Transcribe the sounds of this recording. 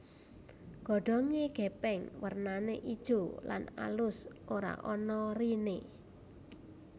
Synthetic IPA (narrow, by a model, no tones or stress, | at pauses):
ɡ̥ɔ̤ɖ̥ɔ̤ŋeɡ̥ɛ̤pɛŋwərnaneʔid̥ʒ̥ola̰na̰lʊsʔoɾa̰ʔɔnɔrine